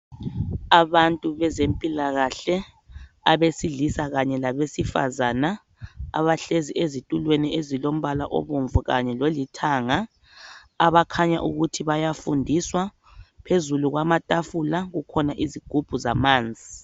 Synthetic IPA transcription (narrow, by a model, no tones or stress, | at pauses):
aβantʼuβɛzempʼilaɣaɬɛ | aβesiɮisaɣaɲɛlaβesifa̰zana | a̰βaɬeziezitʼulweniezilom̩βala̰ʔo̰βuɱvuɣaɲɛlolitʰaːŋaː | βakʰaɲa̰ʔuɣutʰiβajafundʱiswa | pʰezuluɣwamatʼafulaɣukʰɔnaʔiziɡ̥ʱub̥ʱuzamaːnd͡zʱi